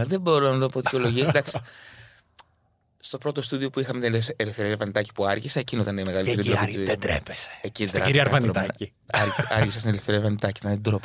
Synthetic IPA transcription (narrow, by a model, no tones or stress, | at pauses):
ðebo̞ɾonɐt̪oɐpoðicʲo̞lo̞ʝisd̪ɐkssi̥ | st̪o̞pɾo̞t̪o̞st̪uðio̞puixɐmet̪inelefθeɾiɾevɐnit̪ɐci̥puɐɾʝiseecinot̪ɐneimeɣɐliteɾid̪oizoimɾḛpese̥ecid̪ɾɾɐiɾiɐɾɐvɐniot̪ɐi | ɐɾɐɾʝisest̪inelfθeɾiɐvɐnit̪ɐcit̪ɐnt̪id̪ɾop